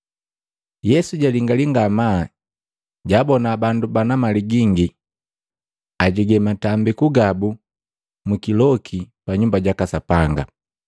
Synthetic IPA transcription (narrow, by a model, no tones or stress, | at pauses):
jɛsuɟaliŋɡaliŋɡama | ɟabɔnabandubanamaliɡiŋɡi | aɟiɡɛmatambikuɡabu | mukilɔkʰipaɲumbaɟakasapaŋɡa̰